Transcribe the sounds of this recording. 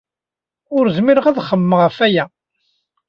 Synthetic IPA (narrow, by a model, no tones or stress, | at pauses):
ʊɾzmiɾəʁæðχəmːəʁəfæjæ